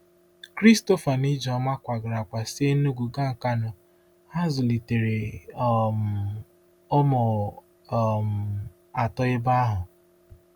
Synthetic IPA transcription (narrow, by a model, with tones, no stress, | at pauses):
kɾi˦sto˦fa˨ni˦d͡ʒɔ˦ma˦kʷa˨ɡɪ˨ɾa˨kʷa˨se˦nu˦ɡu˨ɡa˦ŋ̩˨ka˦nʊ˨ | a˦zʊ˨li˨te˨ɾe˨˦ | m̩˨ | ɔ˦mʊ˨˦˨ | m̩˨ | a˨tɔ˦ɪ˦ba˦ɦʊ˨